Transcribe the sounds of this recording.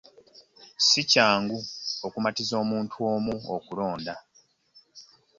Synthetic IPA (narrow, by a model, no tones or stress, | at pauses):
sicaːŋɡuokumatizo̞ːmuːntʰuo̞ːmuokulo̞ːnda